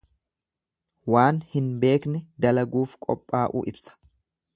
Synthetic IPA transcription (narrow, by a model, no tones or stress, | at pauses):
waːnhɪnbe̞ːknɛd̪ɐlɐɡuːfkʼɔpʼːaːʔṵːʔɪbsɐ̥